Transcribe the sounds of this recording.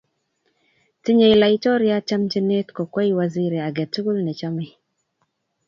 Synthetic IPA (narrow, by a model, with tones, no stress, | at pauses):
ti˦ɲe˨i˨la˨i˦t͡ʃɔ˦ɾja˦t͡ʃa˦md͡ʒe˦ne˦tkɔ˨kwa˦i˦wa˨zi˦ɾe˨a˨ɡɛ˨tu˦ɡu˦lnɛ˨t͡ʃa˦mɛ˨